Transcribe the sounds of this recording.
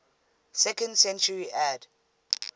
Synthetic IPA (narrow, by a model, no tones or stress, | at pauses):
sɛkə̃ndsɛ̃nt͡ʃəɹiʔad